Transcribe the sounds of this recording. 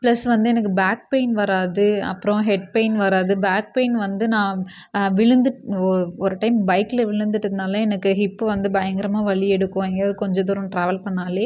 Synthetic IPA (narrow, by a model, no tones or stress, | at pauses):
pɭɐsʋɐnd̪ɯɛnɐkːɯbaːk̚pɐɪnʋɐɾaːðɯɐ̰pːɯɾɔ̃ɦɛɖ̚peɪnʋɐɾaːðɯbaːk̚peɪnʋɐnd̪ɯnãː | ʋɪɻɯnd̪ɯʈɔɯɔɾɯʈɐɪmbɐɪkːɪlɐʋɪɭɯnd̪ɯʈːɯðɯnaːlɐɛnɐkːɯɦɪpːɯʋɐnd̪ɯbɐjɐŋɡɪɾɐmaːʋɐɭiɛɽɯkːõːɛŋɡɐɐðɯkɔɲd͡ʒɐd̪uɾɐ̃mʈɾaːʋɐlpɐɳːaːli